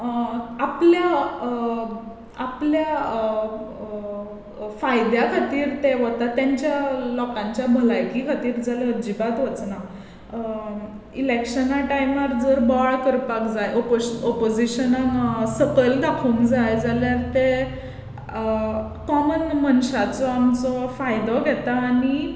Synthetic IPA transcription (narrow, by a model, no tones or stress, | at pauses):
plja | plja | fajd̪jakʰat̪iːɾt̪eʋot̪at̪jaɲt͡ɕjalɔkãɲt͡ɕjabʱəlajkikʰat̪iːɾd͡zaləd͡ʑibat̪ʋət͡sna | ilekɕənaʈajmaɾd͡zəɾbɔɭkəɾpakd͡zajʔɔpɔpod͡ziɕənaŋsəkəld̪akʰuːŋkd͡zajd͡zaljaɾt̪e | kɔmənmənɕat͡sɔamt͡sɔfajd̪ɔɡʱɛt̪aːni